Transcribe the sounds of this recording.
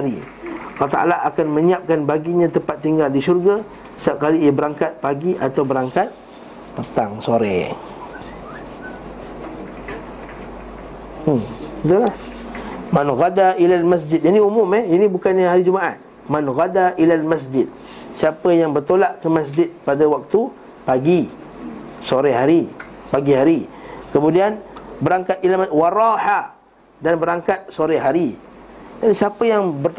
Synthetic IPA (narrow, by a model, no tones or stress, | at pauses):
ɾḭ | alaht̪a̰a̰laʔakanmə̃ɲiap̚kanbaɡiɲãt̪əmpat̪ːiŋɡaldiʃurɡa | saʔ̚kaliːabəɾaŋkat̪̚paɡiʔat̪awbəɾaŋkat̪̚ | pət̪aŋsoɾɛ̰ | it̪ulah | manɣadailalmas̬d͡ʒɪd̪̚janĩumʊmɛhinĩbukanɲaɦaɾid͡ʒumaʔat̪ | manɣadaʔilalmas̬d͡ʒɪd̪̚ | siapəjaŋbərt̪olaʔkəmasd͡ʒɪd̪̚padawak̚t̪u | paɡi | soɾeɦaɾipaɡihaɾikəmũdianbəɾaŋkat̪̚ilawaɾaħa | danbəɾaŋkat̪̚soɾɛɦaɾi | danisiapəjaŋbərt̪